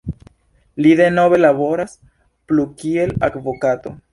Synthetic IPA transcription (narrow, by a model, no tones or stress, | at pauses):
lide̞no̞be̞labo̞ɾas | plukie̞la̰kvo̞kato̞̰